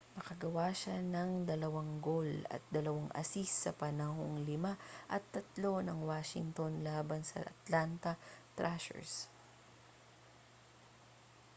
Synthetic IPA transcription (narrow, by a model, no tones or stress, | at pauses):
mɐkɐɡɐwaːʃanɐŋd̪ɐlɐwaŋɡolɐ̰t̪̚d̪ɐlɐwaŋʔɐ̰sisːɐpɐnaɦoŋlɪmaʔɐt̪ːɐt̪lo̞nɐŋwaːʃɪ̰ŋt̪onlaːbɐnsɐ̰ʔɐ̰t̪lant̪ɐt̪ɾʔaʃɛ̰ɹs